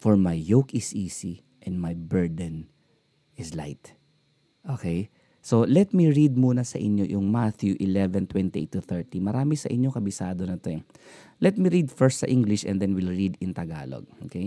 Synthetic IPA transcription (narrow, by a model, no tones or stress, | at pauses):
fɔɹmajːowkɪsiːsi | ʔɛ̃nd̪majbɛɹd̪ɛn | ʔɪsla̰jt̪ | ʔokɛj | solɛt̪̚miɹid̪̚muːnɐsɐʔɪɲːo̰jʊŋmat̪juʔɪlɛvɛnt̪wɛ̃nt̪iʔḛt̪ːʊθɛɹt̪imɐɾaːmɪsɐʔɪɲːoŋkɐbɪsaːd̪onɐt̪o | lɛt̪̚miɹid̪fɛɹst̪̚sɐʔĩŋɡlɪʃʔɛ̰nd̪ɛnwɪlɹid̪ɪ̃nt̪ɐɡa̰ːlo̰ɡ̚okej